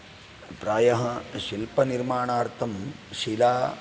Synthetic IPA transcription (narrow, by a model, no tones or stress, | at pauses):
pɾaːjɐɦɐ̆ʃilpɐniɾmaːɳaːɾt̪ʰɐmʃilaː